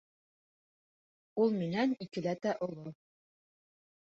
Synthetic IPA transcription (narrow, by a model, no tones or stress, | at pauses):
ulˠmɘnænikɘ̆læt̪æʔŏlˠo